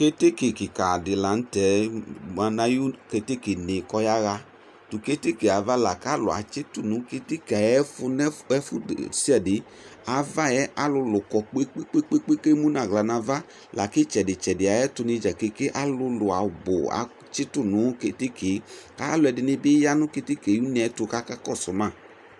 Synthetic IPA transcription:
ke˦te˦ki˨ki˨ka˨dɪ˨la˨n̩˦tɛ˨˦ma˧na˧ju˦ke˧te˦ki˨nɪ˨kɔ˧ja˦ɣa˧ | tʊ˨ke˦te˦ki˨a˨va˦la˨ka˦lʊ̰˨a̰˨t͡ʃɪ˦tʊ˦˨nũ˨˦ke˧te˦ki˨a˨jɛ˦fʊ˧nɛ˦ɛ˦fʊ˦˨si˦ɛ˨dɪ˨˦ | a˧va˦ɛ˦a˦lʊ˧lʊ˨kɔ˧k͡pe˦k͡pe˦k͡pe˦k͡pe˦k͡pe˦ke˦mu˦nã˨ɣla˨na˧va˦ | la˨ki˦t͡ʃɛ˨dɪ˨t͡ʃɛ˨dɪ˨a˨jɛ˦tʊ˧nɪ˧d͡ʒa˨ke˨˧ke˦ʔa˦lʊ˧lʊ˨a̰˨bʊ˨a̰˨˦ | t͡ʃɪ˦tʊ˦˨nʊ̃˨˦ke˨te˦kʰe˨ka̰˦lʊ˧ɛ˧dɪ˧nɪ˧bɪ˦ja˦nʊ̃˦ke˧te˦ke˨ju˦ni˨ɛ˨˦tʊ˧ka˦ka˦kɔ˦˨sʊ˨mã˦˨

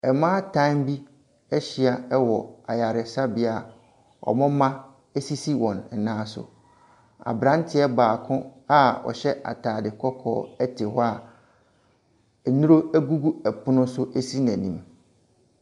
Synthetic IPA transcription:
ɛ˨mãː˦tʰã˦mbi˦ | ɛ˦ɕi˨˦a˨ɛ˦wɔ˨a˨ja˨ɾɪ˨sa˦bɪ˦a˨ | ɔ̰˨mʊ̃˦mã˦ | ɛ˦si˦si˦wɔ̃˨n̩˨nãː˦sʊ̰˨ | a̰˨bɾã˦n˦tʰɪ˦ɛ˦baː˨kʰʊ̃˦a˦ɔ̰˨ɕɛ˦ʔa̰˨tʰaː˨dɪ˨kʰɔ˦kʰɔ̰ː˦ɛ˦tʰɪ˨ɦɔ˦a˨ | nũ˦ɾo˦æ˦ɡu˦ɡu˦ɛ˨pʰʊ˦nʊ̃˦sʊ˦ʔæ˦si˦n˨æ̃˨nĩ˦m

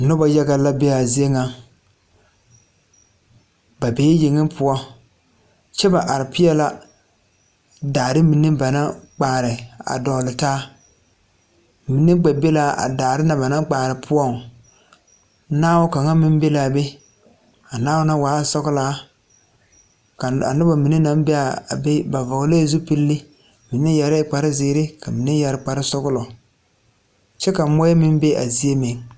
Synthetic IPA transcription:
nʊ˦ba˦ja˦ɡa˦la˦be˦a˨zi˦e˦ŋa˨ | ba˨beː˦jɪ˨ŋɪ˦mpʰʊ˦ɔ˦ | t͡ʃɛ˦ba˨ʔa˨ɾɪ˨pɪ˦ɛ˦la˦ | daː˨ɾɪ˦mi˨nːɨ˦ba˨na˦k͡paː˨ɾɪ˨a̰˨dɔ˨lɪ˨taː˦ | mi˨nːɨ˦ɡ͡ba˨be˦la˦ʔa̰˨daː˨ɾɪ˦na˨ba˨na˦ŋk͡paː˨ɾɪ˨pʰʊ˦ɔ˦˨ŋ˦ | naː˦wʊ˦ka˨ŋa˦mɪ˦m˦be˦la˨be˦ | a˨naː˦wʊ˦na˦waː˨˦˨sɔ˦ɣʊ˦laː˨˦ | ka˨a̰˨nʊ˦bɔ˨mi˨ni˦na˦mbe˦a˨be˦ba˨vɔ˨ɣle˦˨˦zu˦pi˦lːɪ˦ | mi˨nɪ˦jɛ˨ɾɪ˦k͡pa˨ɾɪ˦zɪː˨˦ɾɪ˦kʰa˨mi˨nɪ˦jɛ˨ɾɪ˦k͡pa˨ɾɪ˦sɔ˦ɣʊ˦lɔ˨ | t͡ʃɛ˦ka˨˦mɔ˦ɛ˦mɪ˦m˦be˦ʔa̰˨zi˦e˦mɪ˨ŋ

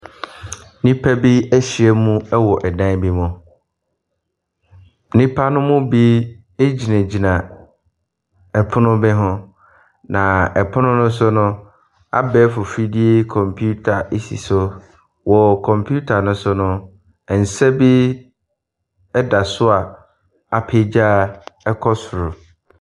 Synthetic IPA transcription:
nĩ˦pʰæ˦bi˦æ˦ɕi˨ɛ˦mũ˦ɛ˦wɔ˨ʔɛ˨dã˦bi˦mʊ̃˨˦ | nĩ˦pʰa˦nʊ̃˦mʊ̃˦bi˦ | e˦d͡ʑi˨nã˨d͡ʑi˨nã˨ | ɛ˨pʰʊ˦nʊ̃˦bɛ˦ɦʊ̃˦ | nã˨ɛ˨pʰʊ˦nʊ̃˦nʊ̃˦s̬ʊ˦nʊ̃˦ | a̰˦bɛ˦fʊ˨fi˦di˦e˦kʰɔ̃˨mpʰu˦tʰa˨e˦sḭ˨sʊ˦ | wɔ˨kʰɔ̃˨mpʰu˦tʰa˨nʊ̃˦sʊ˦nʊ̃˦ | ɛ˨n̩˨sɛ˦bi˦ | ɛ˦da˨sʊ˦a˨ | a˨pʰe˦d͡ʑa˦˨ɛ˦kʰɔ˦sʊ˨ɾʊ˨

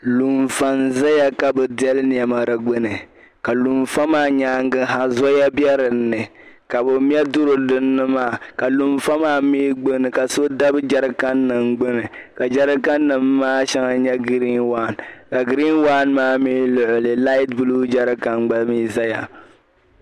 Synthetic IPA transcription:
lu˨nfa˨nza˦ja˨ka˨bɨ˨dɛ˦lɨ˦n˨ɛ˨ma˨ɾɨ˨ɡ͡bɨ˦nɨ˨ | ka˨lu˨mfa˦maː˦˨ɲaː˦ŋ˦ɡɨ˦ɦa˨zɔ˦ja˦bɛ˦ɾɨ˨nːɨ˨ | ka˨bɨ˨m˦ɛ˦dʊ˦ɾɨ˨dɨ˦nːɨ˦maː˦˨ka˨lu˨mfa˦maː˦miː˦ɡ͡bɨ˦nɨ˨ka˨so˦da˦bɨ˦d͡ʒa˦ɾɨ˦ka˦nːɨ˨mɡ͡bɨ˦nɨ˨ | ka˨d͡ʒa˦ɾɨ˦ka˦nːɨ˨mː˦aː˦ʃa˦ŋa˦ɲɛ˦ɡi˦ɾi˦nwaː˦˨nka˨ɡi˨ɾi˦nwa˦nmaː˦mi˦lʊ˨ʔʊ˨lɨ˨la˦i˦tbu˦lu˦d͡ʒa˦ɾɨ˦ka˦nɡ͡ba˦miː˦za˦ja̰˨

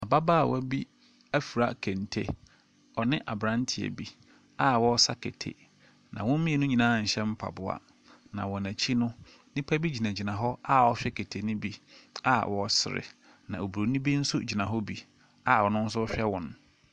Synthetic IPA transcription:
a˨ba˦ba˦˨wɔ˦bi˦ | æ˦fu˨ɾa˨kʰæ̃˨n˨tʰe˨ | ɔ˨nɪ̃˦ʔa˨bɾã˦n˦tʰɪ˨ɛ̰˨bi˦ | a˦wɔ˦sa˦kʰe˨tʰḛ˨ | nã̰˨wɔ̃˦m̩˦mĩ˦e˨nʊ̃˦ɲĩ˨nãː˨˦˨ɲ̩˨ɕɛ̃˦m̩˦pʰa̰˨bʊ˦a̰˨ | nã̰˨wɔ̃˨næ˨t͡ɕʰi˦nʊ̃˦ | nĩ˦pʰæ˦bi˦d͡ʑi˨nã˨d͡ʑi˨nã˨ɦɔ˦a˦ɔ˦ɕᶣɛ˦kʰe˨tʰe˨nʊ̃˦bi˦a˦wɔ˦sɪ˨ɾɪ̰˨ | nã̰˨o˨bu˨ɾo˨˦nĩ˦bi˦n̩˦sʊ˦d͡ʑi˨nã˨ɦɔ˦bi˦ | a˦˨wɔ˨nʊ̃˦n̩˦s̬ʊ˦ɔ˦ɕᶣɛ˦wɔ̃˨n

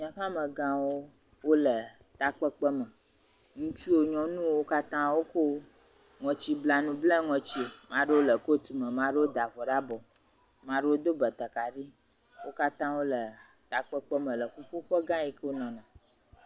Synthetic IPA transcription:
ɲã˨ɸã˦mə̃˨ɡã˦wo˦ | wo˦lə˨ | t̪a˨k͡pə˦k͡pə˦mə̃˨ | ŋũ˦t͡ʃi˦wo˦ɲɔ̃˦nũ˦wwo˦ka˦t̪ã˦wo˦ko˦ | ŋɔ̃˨t͡ɕi˦bla˨nũ˦blɛ̃˦ŋɔ̃˨t͡ɕi˦e˨mã˦ɖə˦wo˦lə˨ko˦t̪u˨mə̃˨mã˨ɖə˦wo˦d̪a˨vɔ˨ɖa˦bɔ˨ | mã˦ɖə˦wo˦d̪o˦bə˨t̪ə˨ka˨ɖi˦ | wʔo˦ka˦t̪ã˦wo˦lə˨ | t̪a˨k͡pə˦k͡pə˦mə̃˨lə˨ku˦ɸo˦ɸə˦ɡã˦i˦kə˦wo˦nɔ̃˨nã˨

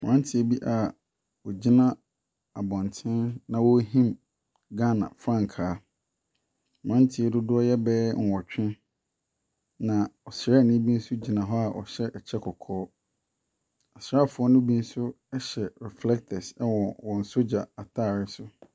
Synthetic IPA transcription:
mʊ̃˨ã˦n˦tʰɪ˨e˨˦bi˦ʔa˨ | wɔ˨d͡ʑi˦nã˦ | a˨bɔ̃˨n˨tʰɪ̃˦nnã˨wɔ˦ɦĩ˦m | ɡa˦˨nã̰˨fɾã˦ŋ˨kʰaː˨˦ | m˨ã˦ntʰɪ˨ɛ˦dʊ˦dʊ˦ɔ˦jɛ˦bɛː˦ŋ̩˨wɔ˨t͡ɕᶣɪ̃˦ | nã˨ɔ˨sɾa˦˨nɪ̃˦bĩ˦n̩˦sʊ˦d͡ʑi˨nã˨ɦɔ˦a˨ʔɔ̰˨ɕɛ˦ʔɛ˨t͡ɕʰɛ˦kʰɔ˨kʰɔː˦ | a˨sɾa˦˨fʊ˨˦ɔ˦nʊ̃˦bi˦n̩˦sʊ˦ | ɛ˦ɕɛ˨ɾɛ˨flɛ˦k̚tʰɛ˨sɛ˦wɔ̃˨wɔ̃˨n̩˨so˦d͡ʑa˨a˨tʰaː˦˨ɾɪ˦sʊ˦

